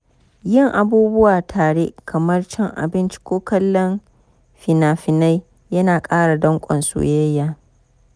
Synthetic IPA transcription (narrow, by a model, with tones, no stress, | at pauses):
jɪ˦˨ŋʔa˨buː˦bʊ˦waː˨tʰaː˨ɽe˦kʰɐ˨mɐ˦rt͡ʃɛ˦ŋʔa̰˨bɪ˦nt͡ʃi̥˦kʷoː˦kɐ˦lːɔ˦n | ɸɪ˨naː˨ɸɪ˨na˦j | jɐ˦naː˨kʼaː˦ɽa˨dɐ˦ŋkʷʼɔ̰˨nsṵ˦jjːaː˨